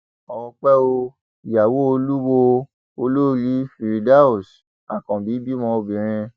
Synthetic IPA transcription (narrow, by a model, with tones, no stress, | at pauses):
ɔ˨wɔ̃˧k͡pɛ˦o˧ | i˨ja˨wo˦o˧lu˦wo˧ | o˧lo˦ɾi˨˦fi˨ɾi˨da˦u˦˨s | a˦˨kɔ̃˨bi˨˦bi˦mɔ̃˧o˧bĩ˨ɾ̃ĩ˧